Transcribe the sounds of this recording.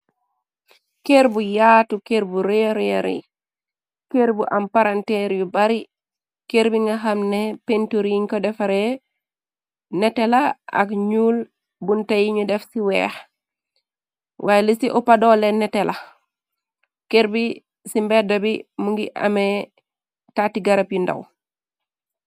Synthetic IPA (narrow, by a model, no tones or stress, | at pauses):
keɾbujatukeɾbuɾeɾjaɾḭ | keɾbuʔampaɾantɛɾjubaɾi | keɾbiŋɡaɦamnepentuɾiŋkɔdɛfaɾe | nɛtelaa̰kɲuːl | buntajiɲudɛfsiwɛ̰ːx | wʔaːjelisiʔɔpadɔːlɛnɛtɛla | keɾbi | simbɛdɐbimuŋɡiʔa̰me | tatiɡaɾapjunda̰w